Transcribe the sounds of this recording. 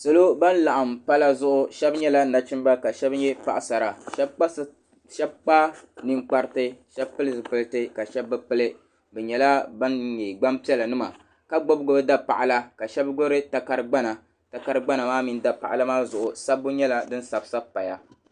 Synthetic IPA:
so˨lo˦ba˦n˦la˨ʔa˨mpa˦la˦zʊ˦ʔʊ˦ʃɛ˦bɲɛ˦la˦na˨t͡ʃi˦m˦ba˦ka˨ʃɛ˦bɲɛ˦pa̰˦˨ʔa˨sa˨ɾa˨ʃba˦ | ʃɛ˦b̚k͡paː˦ni˨ŋk͡pa˦ɾɨ˦tɨ˦ʃɛ˦bpɨ˦lɨ˦zɨ˨pɨ˦ltɨ˦ka˨ʃɛ˦bːɨ˦pɨ˦lɨ˦ | bɛ˨ɲɛ˨la˦ba˦nɲe˨ɡ͡ba˦mpi˦ɛ˦la˨nɨ˦ma̰˨ | ka˦ɡ͡bo˦bɡo˦bɨ˦da˦pa̰˨ʔa˨la˦ka˨ʃɛ˦bɡo˦ɾɨ˦ta˨ka˦ɾɨ˦ɡ͡ba˦na˨ | ta˦ka˦ɾɨ˦ɡ͡ba˦na˨maː˦mi˦n˦da˨pa˨ʔa̰˨la˦maː˦zʊ˨ʔʊ˨sa˦bːʊ˦ɲɛ˦la˦dɨ˦n̩˦sa˨bsa˦pa˨ja˦

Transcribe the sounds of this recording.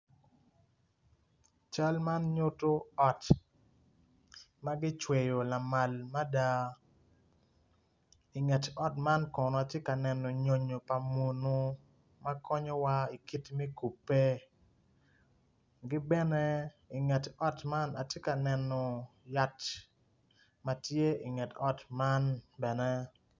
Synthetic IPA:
t͡ʃa˦lma˦nɲo˦to˦ɔ˦t | ma˦ɡɪ˦t͡ʃwe˨jo˨la˨ma˨lma˦da˦ | i˨ŋɛ˨tɔ˦tma˦nkɔ˨nɔ˨a˨tje˦ka˨nɛ˨nɔ˨ɲo˨ɲo˨pa˨mo˨no˦ | ma˦kʰɔ˦ɲɔ˦wa˦i˨ki˦tmɛ˦ku˨pːe˦ | ɡɪ˦bɛ˦nɛ˦ | i˨ŋɛ˨tɔ˦tma˦na̰˨tje˦ka˨nɛ˨nɔ˨ja˦t | ma˨tje˦i˨ŋɛ˨tɔ˦tma˦nbɛ˨nɛ˦

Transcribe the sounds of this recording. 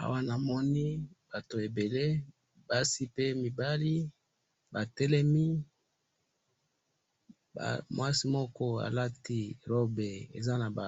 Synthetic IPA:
a̰˨wa˦na˨mɔ˦ni˦b̥a˨to˨e˨be˨le˦ | ba˦si˦pe˦mi˨ba˦li˦ | ba˨tɛ˦lɛ˦mi˦ | ba̰˨mwa˦si˦mɔ˦kɔ˦a̰˨la˦ti˦ʁo˦be˨ḛ˨za˦na˨ba˨

